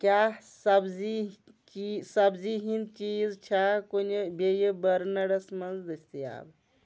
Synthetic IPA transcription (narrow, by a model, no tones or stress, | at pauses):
kjasɐbzi | t͡ʃisɐbziɦint͡ʃizt͡ʃʰakonebejebəɾnɐɽɐsmɐnzd̪ət͡ʃʰt̪ia̰ːb